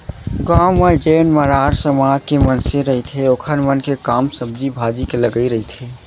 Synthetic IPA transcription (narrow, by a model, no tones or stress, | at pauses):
ɡãumed͡ʒeːnməɾaːɾsəmaːd͡ʒkemənseɾəɦit̪ʰɦeoːkʰənmənkekamsəb̚d͡ʒibʱad͡ʒikeləɡəiɾəɦit̪ʰe